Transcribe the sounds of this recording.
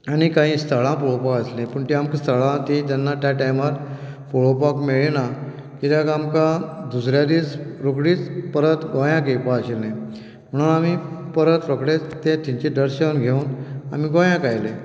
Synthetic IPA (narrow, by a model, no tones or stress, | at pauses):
añikaɦĩst̪ʰəɭãpoɭopakəslẽpəɳt̪iamkist̪ʰəɭãt̪ĩt̪anːat̪jaʈajmaɾ | foɭopakmeɭena | kit̪jakamkãd̪usɾjad̪iːt͡sɾokɽiːt͡spəɾət̪ɡõjãkepaəɕelẽ | m̤əɽ̃uamipəɾət̪ɾokɽet̪ẽt̪iɲt͡ɕidəɾɕewnɡʱeuna̰miɡojãkajle